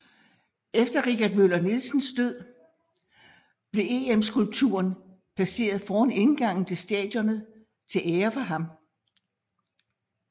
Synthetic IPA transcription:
efd̥ɐʁikʰæd̥̚mølɐnilsn̩sd̥øð̞̰ˠ | b̥le̝ʔe̝ːemsɡ̥ulb̥̚t͡sʰṵɐn | pʰæse̝̰ːɐð̞̩ˠfɒːæne̝nɡ̥ɑ̈ŋ̰n̩t͡sʰe̝sd̥ɛ̰ːd̥jɔ̽nəð̩ˠ | t͡sʰe̝lʔeːɐfɒɦɑ̈m

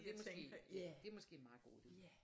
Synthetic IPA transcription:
d̥e̝mɒ̽sɡ̥e̝̰ːd̥e̝æmɒ̽sɡ̥e̝̰ːmɑ̈ːɡ̥o̝̰ːd̥e

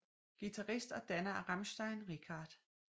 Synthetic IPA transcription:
ɡ̥it͡sʰɑʁisd̥ɒ̽d̥ænɐʁɑmsd̥ɑɪnʁikʰɑːd̥

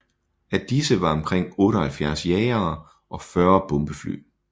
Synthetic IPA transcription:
æd̥isəʋɑ̈ɒ̽mkʰʁeŋ̰ɔ̽ːɾɐhælfjæɐ̰sjɛɪɐː | ʔɒ̽fɶɐb̥ɔ̽mb̥əfly̰ː

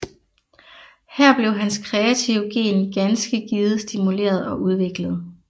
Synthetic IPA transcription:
hæɐ̰b̥le̝ʊɦænskʰʁɛæt͡sʰiʊɡ̥e̝̰ːnɡ̥ænsɡ̥əɡ̥iːð̞̩ˠsd̥imule̝̰ːɐð̞̩ˠɒ̽ʔuð̞ˠʋe̝ɡ̥ləð̞̩ˠ

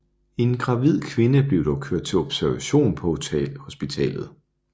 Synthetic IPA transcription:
e̝nɡ̥ʁɑ̈ʋið̞̰ˠkʰʋe̝nəb̥le̝ʊd̥ɒʊkʰøɐ̰d̥̚t͡sʰe̝lɔ̽b̥sæɐʋæɕo̝̰ːnpʰɒ̽t͡sʰɛ̰lho̝sb̥it͡sʰɛ̰ːlð̞̩ˠ

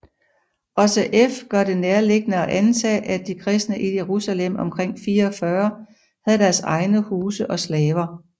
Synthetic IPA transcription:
ɒ̽səʔefɡ̥ɶɐd̥e̝neɐle̝ɡ̥ənəɒ̽ʔænt͡sʰɛ̰ːʔæd̥ikʰʁɛsd̥nəʔije̝ʁusælem̰ɒ̽mkʰʁeŋ̰fiːɐɒ̽fɶːɐ | hæð̩ˠdæɐsɑ̈ɪnəhuːsəʔɒ̽slɛːʋɐ

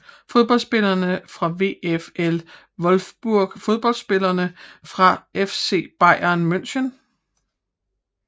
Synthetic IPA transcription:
fo̝ð̞ˠb̥ɒ̽l̰sb̥e̝lɐnəfʁɑ̈ʋe̝̰ːefel | ʋɒ̽lfb̥uɐ̰ɡ̥fo̝ð̞ˠb̥ɒ̽l̰d̥sb̥e̝lɐnəfʁɑ̈efse̝̰ːb̥ɑ̈ɪ̰ɐnmøn̰ɕən

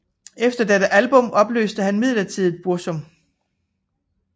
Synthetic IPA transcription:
efd̥ɐd̥eɾəʔælb̥ɔ̽mʔɒ̽b̥lø̰ːsd̥əhænmið̰ˠlɐt͡sʰið̰̩ˠb̥uɐsɔ̽m

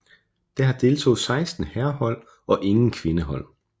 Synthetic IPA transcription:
d̥eɦɑ̈d̥e̝ːlt͡sʰo̝̰ːð̩ˠsɑ̈ɪsd̥n̩hæɐhɒ̽l̰ | ɒ̽ʔe̝ŋn̩kʰʋe̝nəɦɒ̽l̰

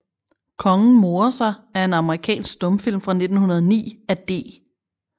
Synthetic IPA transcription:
kʰɒ̽ŋn̩mo̝ːɐsɑ̈ɪæɐe̝nɑ̈məʁikʰɛ̰ːnsɡ̥sd̥ɔ̽mfil̰mfʁɑ̈ne̝d̥n̩hunɐð̞ˠnḭːæd̥e̝̰ː

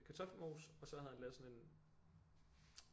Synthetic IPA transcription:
kʰæt͡sʰɒ̽fmo̝ːsɒ̽sɒ̽hæð̩ˠhænlɛːðˠsɒ̽ne̝n

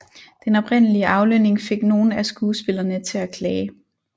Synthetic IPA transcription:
d̥enɒ̽bʰʁen̰əliəʔɑ̈ʊløne̝ŋfe̝ɡ̥no̝ːn̩æsɡ̥uːsb̥e̝lɐnət͡sʰe̝ækʰlɛː

